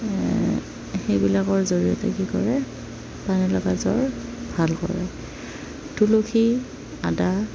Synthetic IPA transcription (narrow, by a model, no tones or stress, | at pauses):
xejbilakɔɹzoɹijɔtɛkikɔɹɛ | panɛlɔɡazɔ̰ɹbʱalkɔ̰ɹɛ̰ | tulokʰi | ada